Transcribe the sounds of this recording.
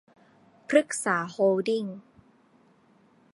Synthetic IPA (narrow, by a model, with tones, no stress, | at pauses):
pʰɾɯ˦˥˩k̚saː˩˦hoː˧di˥˩ŋ